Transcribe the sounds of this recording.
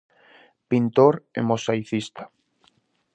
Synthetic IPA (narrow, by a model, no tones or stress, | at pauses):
pint̪oɾḛmosajθist̪ḁ